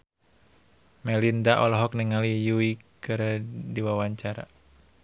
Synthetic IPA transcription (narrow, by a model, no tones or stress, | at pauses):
mɛlindaʔɔlɔɦɔk̚niŋalijuikɨɾdiwawaɲt͡ʃaɾa̰